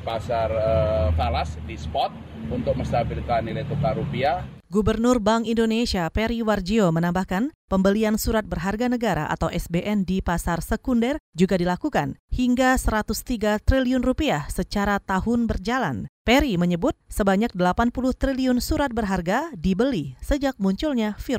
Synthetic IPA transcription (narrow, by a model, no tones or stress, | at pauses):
pasarəfalasdispɔt̪̚ | unt̪ʊk̚məst̪abilkanːilajt̪ukaɾupia | ɡubərnʊrbaŋindonesiapeɾiward͡ʒiomənambahkanpəmbəliansuɾat̪̚bərɦarɡanəɡaɾa̰ʔa̰t̪awʔɛsbeʔɛndipasarsəkundɛrd͡ʒuɡadilakukanhiŋɡasəɾat̪ʊst̪iɡat̪ɾiliʊnrupiahsət͡ʃaɾat̪aɦʊnbərd͡ʒala̰npeɾiməɲəbʊt̪̚səbaɲak̚dəlapanpulʊht̪ɾiliʊnsuɾat̪̚bərɦarɡadibəlisəd͡ʒak̚muɲt͡ʃʊlɲafiɾ